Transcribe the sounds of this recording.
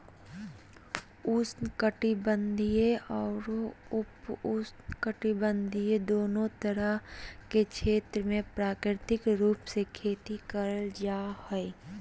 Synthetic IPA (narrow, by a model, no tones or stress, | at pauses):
ʊsnkəʈibə̃nd̪ʱijeɔːɾʊpʊsnkəʈibə̃nd̪ʱijed̪oːnõt̪əɾəɦkekʃʰeːt̪ɾəmẽpɾaːkɾɪt̪ɪkɾuːpsekʰeːt̪ikəɾəld͡ʒaːhɛe